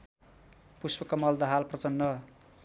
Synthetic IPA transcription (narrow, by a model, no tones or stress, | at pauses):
puspʌkʌmʌld̪ʌɦalprʌt͡sʌnːʌ